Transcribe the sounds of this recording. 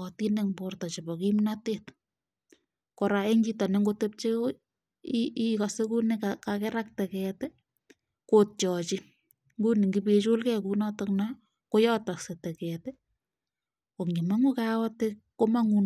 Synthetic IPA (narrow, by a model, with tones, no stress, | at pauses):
ɔ˨tineŋbortɔ˨t͡ʃe˨bɔ˨kimnatet | kɔ˨ɾa˨e˦ŋɡitɔ˨ne˦ŋɡotep̚t͡ʃe | ikɔse˦ku˦ne˦kakakɛɾa˦k̚tɛ˨kɛːtɛ˦ | kot̚t͡ʃɔt͡ʃɪ | ŋɡuni˨ŋɡi˦pe˨t͡ʃo˦lkɛkunɔ˦tɔkna | ko˦jɔtɔ˨se˨tɛ˨kɛte˦ | o˨kɲi˨ma˦ŋu˦kaɔ˦te | ko˦ma˦ŋu˨n